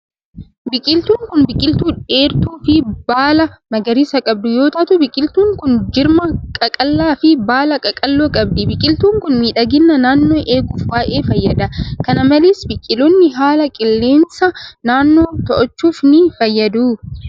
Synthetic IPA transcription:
bɪkʼɪlt̪uːŋkʊnbɪkʼɪlt̪uːᶑe̞ːɾt̪uːfɪbaːlɐmɐɡɐɾɪsɐkʼɐb̚d̪ʊjo̞ːt̪ɐt̪ʊbɪkʼɪlt̪uːŋkʊnd͡ʒɪɾmɐkʼɐkʼɐlːaːfɪbaːlɐkʼɐkʼɐlːoːkʼɐbd̪ɪbɪkʼɪlt̪uːŋkʊnmiːᶑɐɡɪnːɐnaːnːo̞ːʔe̞ːɡuːfwaːʔe̞ːfɐjːɐd̪ɐkɐnɐmɐleːsbɪkʼːɪlɔnːɪɦaːlɐkʼɪlːeːnsɐnaːnːoːt̪ɔʔɔt͡ʃːuːfnɪfɐjːɐd̪uː

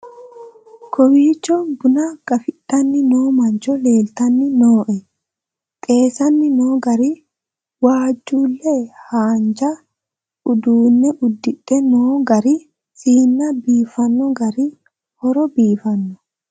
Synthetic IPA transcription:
kʰɔwiːt͡ʃːɔbʊnɐɡ̥ɐfɪɗːɐnːɪnoːmɐnt͡ʃɔle̞ːlt̪ɐnːɪnoːʔɛ | t̪ʼe̞ːsɐnːɪnoːɡɐɾɪ | waːd͡ʒːuːlːɛhaːnd͡ʒɐ | ʊd̪uːnːɛʔʊd̪ːɪᶑːɛnoːɡɐɾɪ | sʼiːnːɐbiːfɐnːɔɡɐɾɪ | hɔɾɔbiːfɐnːɔ̥

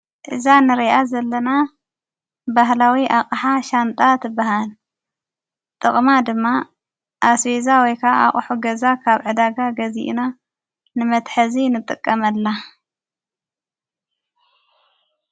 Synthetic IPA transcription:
ʔɨzanɨɾiʔazɐlːɐna | baɦlawiʔakʼħaʃant̪ʼat̪ʰɨbaɦal | t̪ʼɨχʼmad̪ɨmːa | ʔasfezawɔjkʰaʔa̰χʼħuɡɐzakʰaβʕɨd̪aɡaɡɐzḭʔna | nɨmɐt̪ħɐzinɨt̪ʼɨkʼːɐmɐlːa

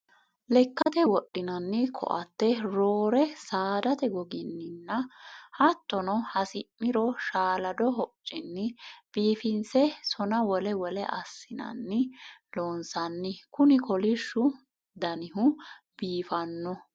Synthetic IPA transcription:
lɛkːɐt̪ɛwɔɗːɪnɐnːɪkʰɔ̰ʔɐt̪ːɛɾoːɾɛsaːd̪ɐt̪ɛɡɔɡɪnːɪnːɐhɐt̪ːɔnɔhɐsɪʔːɪɾɔʃaːlɐd̪ɔɦɔt͡ʃʼːɪnːɪb̥iːfɪnsɛsɔnɐwɔlɛwɔlɛʔɐsːɪnɐ̰nːɪloːnsɐnːɪkʊnɪkɔlɪʃːʊ | d̪ɐnɪɦʊb̥iːfɐnːɔ

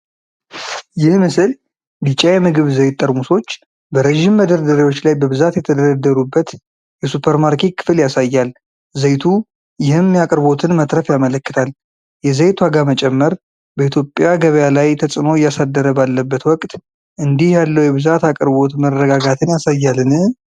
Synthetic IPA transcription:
jɪhmɨsɨl | bit͡ʃʼːajɛmɨɡɨβzəjt̪t̪ʼːəɾmuso̞t͡ʃː | bəɾeʒimːəd̪əɾd̪əɾiwo̞t͡ʃːlajbəβɨzat̪jɛt̪ʰəd̪əɾəd̪ːəɾubːət̪ | jɛsupʰəɾmaɾkʰet̪kʰɨ̥fɨljasajːal | zəjt̪ʰu | jɪhɨmːjakʼəɾβo̞t̪ʰɨnmət̪ʼɾəfjamələkːɨ̥t̪ʰal | jɛzəjt̪ʰwaɡamət͡ʃʼɛmːəɾ | bəit̪ʰjo̞pʼjaɡəβəjalajt̪ʰəsʼɨmojasad̪ːəɾəbalːəbːət̪wɔkʼt̪ | ʔɨnd̪ihjalːəwjɛβɨzat̪akʼəɾbo̞t̪məɾːəɡaɡat̪ʰɨnjasajːalɨnɨ

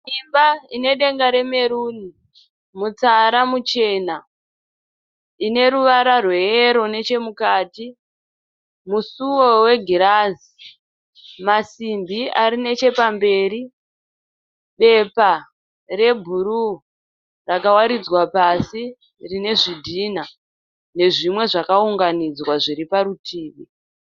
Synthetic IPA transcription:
imbaine̞ɗe̞ŋɡaɾe̞me̞ɾuːni | mut͡saɾamut͡ʃe̞ːna | ine̞ɾuʋaɾarwe̞eɾo̞ne̞t͡ʃe̞mukaːti | musuwo̞we̞ɡʱiɾazi | masimbiaɾine̞t͡ʃe̞pambe̞ːɾi | ɓe̞pa | re̞bʱuɾu | rakawaɾid͡zwapasi | rine̞ʐidʱiːna | ne̞ʐimwe̞ʐakauŋɡanid͡zwaʐiɾipaɾutiːʋi

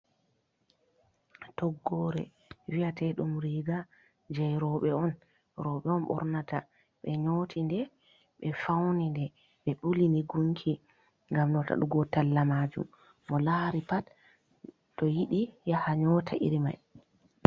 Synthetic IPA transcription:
tɔɡːɔɾɛ̰ | viatɛɗumɾiɡa | d͡ʒɛjɾɔɓɛɔn | ɾɔɓɛɔnɓɔ̰ɾnata | ɓɛɲoːtʰindɛ | ɓɛfawnindɛ | ɓɛɓulinɛɡuŋkʰi | ŋɡamnɔta̰ɗuɡɔtalːamaːd͡ʒṵmː | ɔlaɾipatː | ɔjiɗijahaɲɔtʰaʔḭɾima̰j

